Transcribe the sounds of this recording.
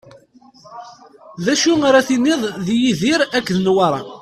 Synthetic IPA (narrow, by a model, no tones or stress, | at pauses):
ðæʃuaɾaθinːiðˤðjiðiɾækːðnwɑɾˤɑ̰